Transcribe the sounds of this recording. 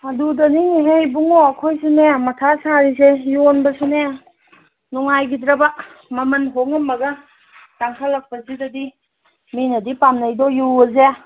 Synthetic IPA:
adudɐniŋiɦejbuŋoɐkʰojsinemɐtʰasaɾis̬ejonbɐsine | nuŋajɡidɾɐba | mɐmɐnɦoŋɐmːɐɡɐ | taŋkʰalːɐk̚pɐsidɐdi | minɐdipamnɐjdɔjuwɐze

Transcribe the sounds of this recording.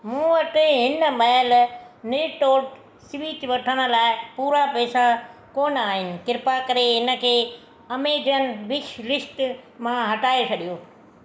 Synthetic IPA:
mũːʋɐʈeɦɪnə̆mɐɦlnɪːʈoːʈ | sʋiːt͡ɕʋɐʈʰəɽ̃ə̆laːɪpuːɾapɛːsakoːnaːɦɪnɪ̆kɪɾpakɐɾeɦɪnə̆kʰeː | ɐmeːd͡ʑən̆ʋɪʃɾɪʃʈmãɦɐʈaːet͡ɕʰɐɗijoː

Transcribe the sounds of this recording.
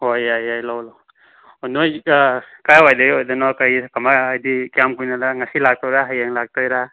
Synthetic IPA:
hojajajlawlaw | ɔnoj | kajwajdaɡɔjdanakajkamaːjdikiamkujnalaŋasilak̚tɔwɾaɦajaŋlak̚tɔjɾa

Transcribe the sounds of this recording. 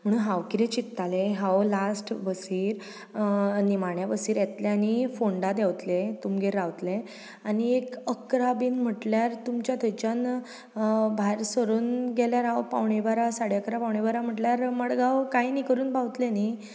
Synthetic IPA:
m̤əɽ̃uːnɦaʋkiɾet͡ɕit̪ːaleɦawlasʈʋəsiːɾ | nimaɳjabəsiːɾjet̪lẽanifoɳɖad̪ɛwt̪let̪umɡeɾawt̪le | aniekəkɾabiːnm̤əʈljaɾt̪umt͡ɕjat̪ʰət͡ɕan | bʱajɾsəɾuːnɡɛljaɾawpaʋɳebaɾasaɽjakɾapawɳebaɾam̤əʈljaɾməɽɡawkainikəɾuːnbaʋt̪leni

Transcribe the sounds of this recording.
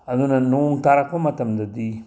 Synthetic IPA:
ɐd̪unɐnoŋtaɾakomɐtɐmdɐdi

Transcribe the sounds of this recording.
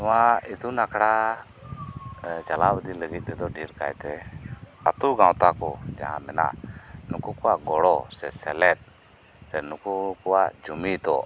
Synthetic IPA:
t̪ɔwait̪unakɽa | d͡ʒalabəd̪iləɡit̪̚t̪ɛd̪ɔɖʱiɾka̰jt̪ɛ | a̰t̪uɡãwt̪akɔd͡ʒa̰ɦã̰mɛna̰ʔnukukuwaɡɔɽɔsɛsɛlɛt̪̚ | sɛnukukuwad͡ʒumit̪ɔ̰

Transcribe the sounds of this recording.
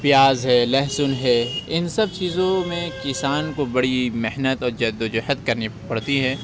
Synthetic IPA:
pɪjaːzɦɛːlɛɦsʊnɦɛɪnsɐb̚t͡ʃiːzõmẽkɪsaːnkobɐɽimeɦnət̪ɔːɾd͡ʒɐd̪od͡ʒɛhət̪kɐɾnipɐɽt̪iɦɛː

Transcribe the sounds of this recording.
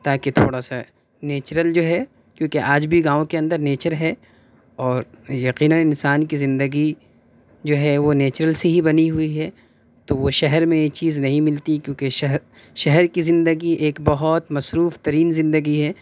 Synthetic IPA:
t̪aːket̪ʰo̰ːɽasa | neːt͡ʃɾəld͡ʒoːɦɛ | kjõːkeʔaːd͡ʒbʱiɡãːõkeɐ̃nd̪əɾneːt͡ʃəɾɦɛ | ɔːɾjɐqiːnənɪ̃nsaːnkizɪ̃nd̪əɡi | d͡ʒoːɦɛʋoneːt͡ʃɾəlseɦibɐniɦʊiɦɛ | t̪oʋoʃɛɦɛɾmẽet͡ʃiːznɐɦĩmɪlt̪ikjõːkeʃɦ | ʃɛɦɛɾkizɪ̃nd̪əɡiʔeːkbɐɦɔt̪mɐsɾuːft̪ɐɾiːnzɪ̃nd̪əɡiɦɛː

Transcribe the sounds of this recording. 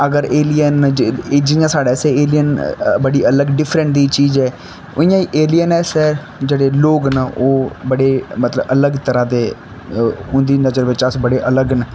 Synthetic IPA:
əɡəɾeːliənːd͡ʒɪjãːsaːɽɛːsɛːeːlijənbəɽiːʔələɡɖɪpʰɾə̃ɳʈ̚d̪iːt͡ʃiːzɛː | ʊĩjãːiʔeːlijənɛːsɛː | d͡ʒeːɽeːloːɡnəoːbəɽeːmət̪ləbələɡt̪əɾãːt̪eː | ʊ̃nd̪iːnəzəɾʋɪt͡ʃasbəɽeːʔələɡnː

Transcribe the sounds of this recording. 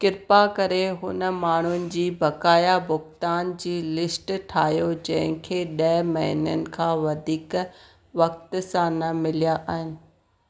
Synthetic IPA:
kɪɾpakɐɾeɦʊnə̆maːɳ̤ʊnɪ̆d͡ʑiːbɐkaːjabʊxt̪aːnd͡ʑiːlɪsʈʈʰaːɦjod͡ʑɐ̃ɦɪ̃kʰeːɗɐːmɐɦɪ̰nənɪ̆kʰãːʋɐd̪ʱiːk | ʋɐk̚t̪sãnɐmɪlijaʔaːɦɪnɪ̆

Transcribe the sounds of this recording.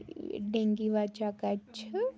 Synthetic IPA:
ɖẽŋɡiʋat͡ʃakat͡ʃʰə

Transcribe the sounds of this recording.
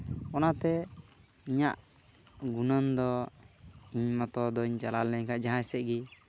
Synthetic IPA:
ɔnat̪ɛ | iɲaʔ | ɡunənd̪ɔ | iɲmɔt̪ɔd̪ɔiɲt͡ʃalalnəɲkaʔd͡ʒaɦãjsɛʔɡi

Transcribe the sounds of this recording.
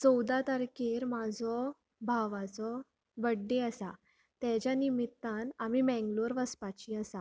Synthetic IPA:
t͡sɔwd̪at̪əɾkiɾmad͡zʱɔ | bʱaʋat͡sɔ | bəɖːeəsa | t̪ɛd͡ʑjanimit̪ːãnamimɛ̃ŋɡloɾʋəspat͡ɕĩəsa

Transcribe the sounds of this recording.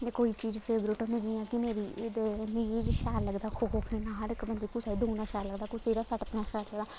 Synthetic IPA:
ekoːiːt͡ʃiːd͡ʒpʰeːbɾɪʈɔ̃ːnd̪eːd͡ʒiːjãːkɪmeːɾiːemiːiːd͡ʒʃaːɾləɡd̪aːkʰoːɡoːkʰeːnãːɦəɾɪkbənd̪eːkusaːiːd̪oːnãːʃaːɾləɡd̪aːkuseːɾaːsəʈəpnaːʃaːɾləɡd̪aː

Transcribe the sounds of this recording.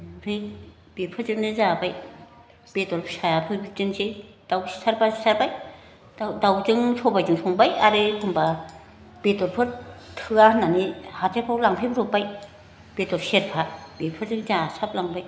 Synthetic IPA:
pʰɯj | b̥epʰɯɾzɯknɯzabaj | b̥etɔɾpʰɯsajapʰɯɾbitɯŋse | d̥awsaɾpʰasaɾbaj | dawzɯŋsʰɔbajd͡ʒɯŋsʰɔŋbajaɾetɯŋba | b̥etɔɾpʰɯɾtʰɯananihatʰepʰɔlaŋpʰepɾɔpːaj | b̥etɔɾseɾpʰabepʰɯɾzɯŋzasʰap̚laŋbaj

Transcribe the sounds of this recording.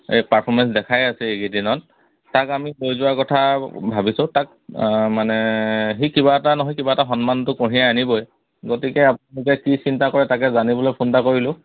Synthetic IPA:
ejpaɹpʰɔɹmɛns̬dɛkʰajasɛeɡidinɔt | takamilojzʊakɔtʰabʱabisʊ̃tak̚ | manɛɦikibaɛtanɔɦɔjkibaɛtaxɔnmantʊkɔɹijaanibɔj | ɡotikɛapunalukɛkisintakɔɹɛtakɛzanibɔlojpʰundakoɹilʊ̃

